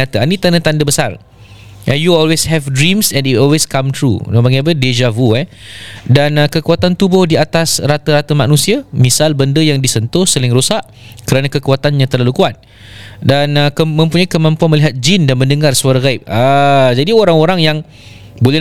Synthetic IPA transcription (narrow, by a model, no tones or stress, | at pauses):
at̪əanĩt̪andət̪andəbəsar | ʔəjuɔlweshɛvdɾimsɛ̃niɔlweskamt̪ɾṵnõbaɡaap̬əded͡ʒavuɛdanəkəkuat̪ant̪ubɔhdiat̪asrat̪əɾat̪əmanũsiamisalbəndəjaŋdisənt̪ʊhsəlɪŋɾosaʔ | kəɾanãkəkuat̪anɲãt̪ərlalukuat̪̚ | danəkəmə̃mpuɲaikəmãmpuanməliɦat̪̚d͡ʒindanmə̃ndəŋarsəaɾaɣaip̚ad͡ʒadioɾaŋoɾaŋjaŋ | bolɛ